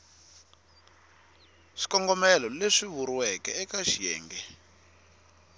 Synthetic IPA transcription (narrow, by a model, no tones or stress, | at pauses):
ʂi̥kɔŋɡɔmɛlɔleʂiβuɾwɛkɛːkaʃijɛ̰ːŋɡɛ